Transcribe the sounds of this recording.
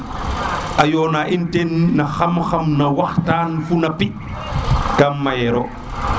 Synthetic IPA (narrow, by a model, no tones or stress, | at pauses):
ʔajɔːnaʔintɛnːaxamxamnawaxtaːnfunapi | ɡamːajɛɾɔ